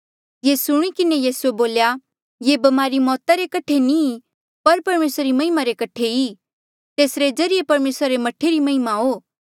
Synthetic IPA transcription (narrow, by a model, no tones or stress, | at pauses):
jesʊɽ̃ikɪnejiːsueboːlja | jebɐmaːɾimɔːt̪aɾekɐʈʰenĩ | pɐɾpɐɾmeːsɾaɾimɐɦɪmaɾekɐʈʰei | t̪eːsɾed͡zɐɾɪjepɐɾmeːsɾaɾemɐʈʰeɾimɐɦɪmaɦoː